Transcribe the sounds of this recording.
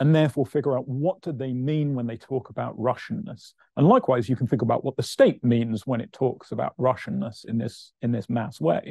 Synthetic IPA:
ə̃nðɛːˑfɔːfɪɡjəɹaʊʔ̚wɒt̚d̥əðeɪmĩːnwə̃nðeɪtʰɔkəbaʊʔɹʌʃnːə̰s | ə̃nlaɪkʰwaɪzjɨkʰn̩θɪ̃ŋɡəbaʊʔwɒt̪̚ðəsteɪʔ̚mĩnzwə̃ɾ̃ɪtʰɔˑksəba̰ʊʔ̚ɹʌʃɨ̃n̩ːəsɪ̰̃nðɪ̰sɪ̃nðɪsmaswḛɪ

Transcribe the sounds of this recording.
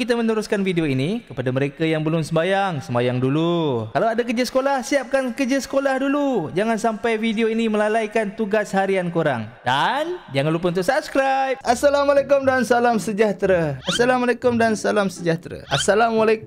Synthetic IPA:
kit̪amənəɾʊskanfideoinikəpadaməɾekajaŋbəlʊmsəmbajaŋsəmbajaŋdulukalawadakəd͡ʒəsə̥kolahsiap̚kankəd͡ʒasə̥kolahdulud͡ʒaŋansampajfidioiniməlalajkant̪uɡashaɾiankoɾa̰ŋdand͡ʒaŋanlup̬ənt̪ʊkʔsap̚skɾajp̚asːalamalekʊmdansalamsəd͡ʒaht̪ɾaasalamalekʊmdansalamsəd͡ʒaht̪ɾa̰ʔasalamwalek

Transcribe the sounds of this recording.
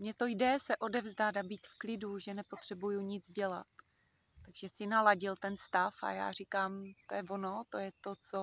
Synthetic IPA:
mɲɛt̪o̞jdɛsɛʔo̞dɛvzdad̪abiːt̪fklɪduʒɛnɛpo̞t̪r̝̥ɛbujuɲɪd͡zɟɛla̰t̪ː | aɡʒɛsɪnalaɟɪlt̪ɛnst̪afa̰ja̰ːr̝ɪkaːmt̪ojɛvono̞t̪ojɛt̪ot͡so

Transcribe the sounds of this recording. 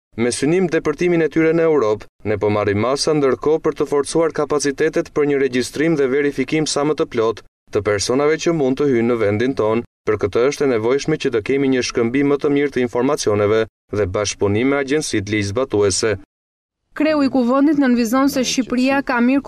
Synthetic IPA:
mɛsynimd̪ɛpəɾt̪iminɛt̪yɾɛnəɛwɾɔp | nɛpɔmarimasand̪əɾkɔpəɾt̪əfɔɾt͡suaɾkapat͡sit̪ɛt̪ɛt̪pəɾɲəɾɛɟist̪ɾimðɛvɛɾifikimsamət̪əplɔt̪ː | əpɛɾsɔnavɛcəmund̪t̪əhynːəvɛnd̪int̪ɔnpəɾkət̪əəʃt̪ɛnɛvɔjʃmɛcət̪əkɛmiɲəʃkəmbimət̪əmiɾt̪əinfɔɾmat͡siɔnɛvɛ | ðɛbaʃpunimɛaɟɛnsit̪lizbat̪uɛsɛ | kɾɛuikuvɛnd̪it̪nənvizɔnsɛʃipɾiakamiɾ

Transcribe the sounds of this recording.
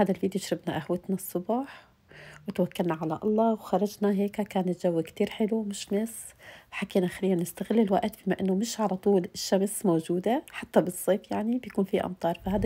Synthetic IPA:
haːd̪alviːd̪joʃɾɪbnaʔahwat̪nasˤːʊbɑːħ | wɪt̪wakːalnaʕalaʔɑ̰lˤːɑwxɑɾˤɑd͡ʒnaɦeːkakaːnɪt̪ʒawːkt̪iːɾħɪlumɪʃmɪsħakiːnaʔxaɾijːanɪst̪aɣɪlːɪlwaʔt̪biːmaʔɪnːomɪʃʕalat̪ˤuːlɪʃːamsmowʒuːd̪aħat̪ːabɨsˤːeːfjaʕnibjakuːnfiʔɑ̰mt̪ˤɑːɾˤfahaːd̪

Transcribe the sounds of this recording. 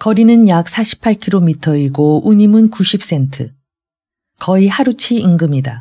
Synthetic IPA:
kʌɾinɯnjak̚s͈ʰaɕʰi̥pʰaɭkʰiɾomitʰʌiɡouɲimɯnkuɕʰip̚s͈e̞ntʰɯ̰ | kʌihaɾut͡ɕʰiiŋɡɯmɲida

